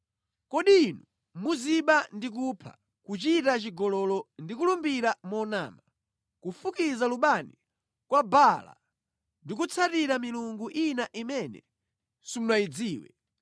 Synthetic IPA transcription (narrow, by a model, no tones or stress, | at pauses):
kɔɗiːnu | muziɓandik̬upʰa̰ | kut͡ʃitat͡ʃiɡɔlɔlɔndik̬ulumbiɾamɔna̰ːma | kufukizaluɓani | kwabala̰ | ndik̬ut͡sʰatiɾamiluŋɡuʔinaʔimɛnɛ̰ | sumulaid͡ziːwɛ̰